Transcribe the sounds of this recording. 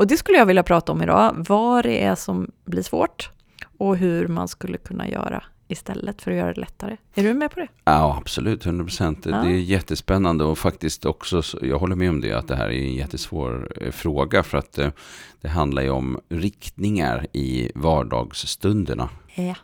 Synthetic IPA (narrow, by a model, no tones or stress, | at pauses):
ɔd̪ɛskɵlːəjɑːɡvɪljapʰɾɑːt̪aɔmɪd̪ɑ̰ːvɑɖɛʔæsɔmbliːʂvoːʈ | ɔɦɵɾmanskɵlːəkʰɵnːa̰jœ̰ːɾa | ɪst̪ɛlːət̪fœɾɔjœːɾa̰d̪ɛlɛt̪ːaɾəæɖɵmɛpʰɔd̪ɛjɑab̥sɔlʉ̟ːt̪hɵnd̪ɾapʰɾʊsɛnt̪d̪ɛːjɛt̪ːəspɛnːand̪əɔfakt̪ɪst̪ɔksɔsjɑːɡɦɔlːəɾmɛɔmd̪ɛ̰a̰t̪̚d̪ɛɦæ̰ːɾæ̰ɾɛnjɛt̪ːəsvo̰ːɾfɾoːɡafœɾat̪d̪̥ɛɦand̪laɾjəɔmɾɪkt̪nɪŋa̰ɾɪvɑːɖɑ̰ːɡsːt̪ɵnd̪əɳa